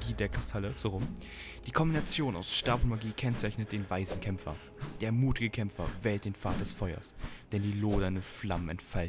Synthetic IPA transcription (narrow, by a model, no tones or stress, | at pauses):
d̥iːdeːɐkʁ̥ɪstʰaləz̥oːʁʊm | d̥iːkʰɔmbinat͡sjoːna̰ʊsʃtaɐbonmaɡiːkʰɛnt͡saɪçnət̚d̥eːnvaɪsn̩kʰɛmfɐ̰ | d̥eːɐmuːtɪɡəkʰɛmfɐ̰vɛːlt̚d̥eːnfaːt̚d̥ɛsfɔʏɐ̰sd̥ɛndiːloːdɐnəflamənɛ̰ntfalt